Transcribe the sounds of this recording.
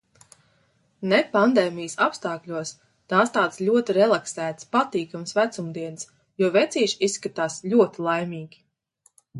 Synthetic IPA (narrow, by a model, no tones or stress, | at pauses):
nepand̪eːmijəsapst̪aːklʲuɔs | t̪aːst̪aːt̪slʲuɔt̪iɾɛlˠaksæːt̪spat̪iːkamsvæt̪sumd̪iɛns | juvɛt̪sʲiːʃisːkat̪aːsʎʲuɔt̪ilˠajmʲiːɡʲi